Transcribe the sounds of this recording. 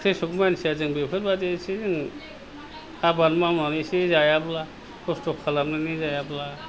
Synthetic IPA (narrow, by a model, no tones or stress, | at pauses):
kʰesukmansiazɯŋbepʰɯtbadesizɯŋ | abanmamnanisizajabla | kʰɔstɔkʰːalamnɯnizajabla